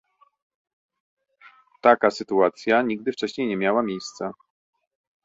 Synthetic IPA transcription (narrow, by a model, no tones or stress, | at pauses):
t̪akasɘt̪uat̪sʲjaɲiɡd̪ɘft͡ʂɛɕɲejɲɛmʲjawamʲjejst̪sa